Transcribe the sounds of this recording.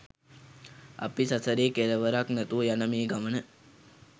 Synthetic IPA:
ɐ̰pisɐsəɾeːkeɾəʋəɾaknɛt̪uəjanəmeːɡamənə

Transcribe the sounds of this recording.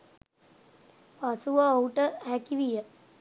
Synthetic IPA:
pasuʋəouʈəhækiʋijə

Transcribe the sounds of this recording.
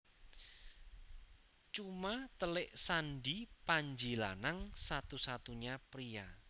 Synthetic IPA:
t͡ʃumat̪əlɪʔsanɖipaɲd͡ʒila̰naŋsat̪usat̪uɲapɾija

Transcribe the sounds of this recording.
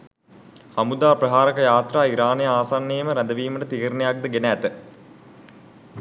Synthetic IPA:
hamud̪aːprɐɦaːɾəkəjaːt̪raːiɾaːnejəaːsanːeːməɾæd̪əʋiːməʈət̪iɦiɾnejak̚d̪əɡenæːt̪ə

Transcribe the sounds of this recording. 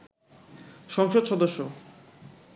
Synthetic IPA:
ʃɔŋʃod̪ʃɔd̪oʃːo

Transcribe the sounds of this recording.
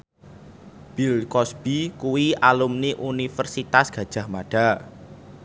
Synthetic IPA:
b̥ilkɔsb̥ikuwiʔalumniʔunifərsit̪asɡ̥ä̤d̥ʒ̥a̤hmaɖ̥a̤

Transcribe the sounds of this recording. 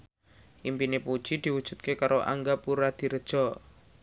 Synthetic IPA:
ʔimpinepud̥ʒ̥id̪̥i̤wud̥ʒ̥ṳt̪̚kekaɾoʔa̰ŋɡapuɾad̪̥i̤ɾəd̥ʒ̥ɔ

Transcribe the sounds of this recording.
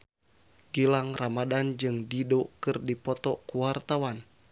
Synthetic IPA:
ɡilaŋramadand͡ʒɨŋdidokɨrdipɔt̪ɔkuwart̪awan

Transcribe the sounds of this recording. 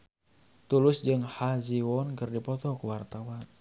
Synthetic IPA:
t̪ulʊsd͡ʒɨŋhaziwɔnkɨrdipɔt̪ɔkuwart̪awan

